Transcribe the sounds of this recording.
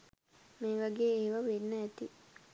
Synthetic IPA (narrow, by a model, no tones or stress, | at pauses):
meːʋaɡeːeːʋaʋenːəæt̪i